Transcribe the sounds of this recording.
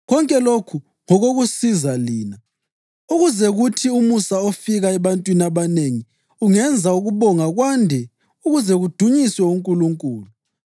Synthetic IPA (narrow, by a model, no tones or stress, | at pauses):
ɣɔŋkʼɛlokʰu | ŋɔɣoɣusizaliːna | uɣuzɛɣutʰiumusaofiɣaɛβantʼwinaβaneŋi | uŋɛnd͡zʱauɣuβɔŋaɣwandʱɛ | uɣuzɛɣud̥ʱuɲiswɛuŋkʼuluŋkʼuːlu